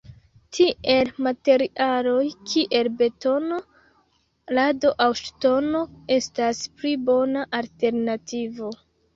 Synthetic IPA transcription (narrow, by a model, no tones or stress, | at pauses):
tʰie̞lmate̞ɾiʔalo̞jkʰiʔe̞lbe̞to̞no̞ | ladoʔawʃto̞no̞e̞stasplibo̞naʔalte̞ɾnativo̞